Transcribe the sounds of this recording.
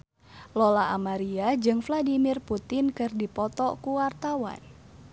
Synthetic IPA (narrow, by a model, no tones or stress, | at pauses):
lɔlaʔamaɾiad͡ʒɨŋfladimirput̪ɪnkɨrdipɔt̪ɔkuwart̪awa̰n